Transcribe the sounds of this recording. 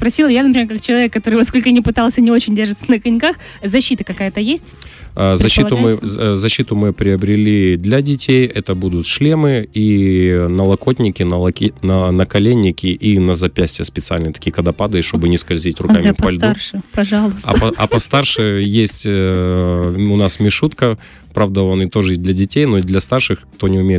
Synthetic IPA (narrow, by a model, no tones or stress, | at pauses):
spɾɐsʲilˠəjanəpɾʲɪmʲeɾkak̚t͡ɕɪlˠɐvʲekːɐt̪o̞ɾɨvɐskolʲkənʲɪpɨt̪alˠsʲənʲɪo̞t͡ɕɪnʲdʲerʐɨt̪sənəkɐnʲkax | zɐɕːit̪əkɐkajət̪əjesʲtʲːzɐɕːiʊmɨzɐɕːit̪ʊmɨpɾʲɪəbɾʲɪlʲid̪lʲɐdʲɪtʲejɛt̪əbud̪ʊt̪ʂlʲemɨinəlˠɐkot̪ʲnʲɪkʲɪnəlˠɐnənəkɐlʲenʲːɪkʲɪʔinəzɐpʲæsʲtʲɪjəspʲɪt̪sɨalʲnɨət̪ɐ̥kʲijəkəd̪ɐpad̪ɨʂt̪o̞bɨnʲɪskɐlʲzʲitʲrʊkkamʲɪppɐlʲd̪uʂɨpɐʐalˠʊsɐɐ̰pɐst̪arʂɨjesʲtʲ | ʊnasmʲɪʂut̪kə | pɾavd̪əo̞nɨt̪o̞ʐɨd̪lʲɐdʲɪtʲejnod̪lʲɐst̪arʂɨxkt̪o̞nʲɪʊmʲejɪ